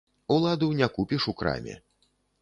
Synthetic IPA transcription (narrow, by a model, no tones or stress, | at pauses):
ulˠad̪unʲakupʲiʂukɾa̰mʲɛ̰